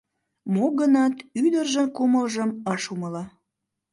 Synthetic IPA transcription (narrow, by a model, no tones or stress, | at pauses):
moɡənɑt̪yd̪ərʒənkuməlʒəmɑʃuməlɑ